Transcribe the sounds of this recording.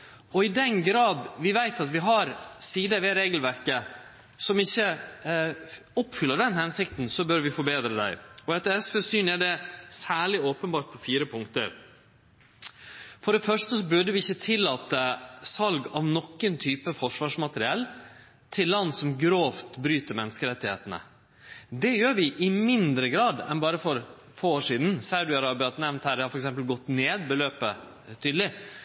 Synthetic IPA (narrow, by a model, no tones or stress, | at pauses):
ɔɪd̪ɛnɡɾɑːd̪ʋɪʋæɪt̪ɑt̪ʋɪɦɑɾsiːd̪əʋɛɾeːɡəlʋæɾkə | sɔmɪçːə | ɔpfʏlːəɖɛnhɛnsɪk̚t̪nsɔbœɾʋɪfɔɾbeːd̪ɾəd̪æ̰ɪɔɛt̪ɛɛsfɛsyːnæɖɛsæːɭɪoːpənbɑːʈ̚pʰɔfiːɾəpʰʊŋkt̪ə̰ɾ | fɔɖɛfœʂʈəsɔbʉɖəʋɪɪçːət̪ʰɪlːɑːt̪əsɑlɡɑʋnɔkːənt̪ʰyːpəfɔʂʋɑːʂmɑt̪əɾɪɛlː | t̪ʰɪlːɑnːsɔmɡɾoːft̪bɾyːt̪əɾmɛnːəskəɾɛt̪ːɪheːt̪ənə̰ | d̪ɛjøːɾʋɪʔɪmɪnd̪ɾəɡɾɑːd̪ɛ̰nbɑːɾəfɔɾ | foːoːʂiːd̪n̩sɑʉd̪ɪɑɾɑːbɪɑt̪nɛʋnt̪hæːɖ̪ɛhɑɾfɔɾɛksɛmpəlɡɔt̪ːneːd̪bəløːpə | t̪ʰyːd̪əlɪ